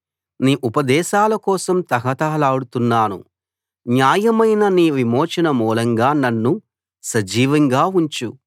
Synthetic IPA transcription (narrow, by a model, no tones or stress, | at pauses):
niːʔupɐd̪ɛːʃaːlɐkɔːsɐmt̪ɐɦɐt̪aːlaːɽut̪unːaːnṵ | njaːjɐmɐjnɐniːʋimɔːt͡ʃɐnɐmuːlɐŋɡaːnɐnːu | sɐd͡ʒiːʋɐŋɡaːuɲt͡ʃu